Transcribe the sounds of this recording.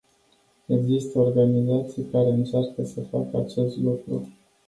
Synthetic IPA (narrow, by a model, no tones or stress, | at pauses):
e̞ɡzist̪əorɡanizat̪sijkaɾe̞ɨnt͡ʃarkəsəfa̰kəat͡ʃe̞st̪lukɾṵ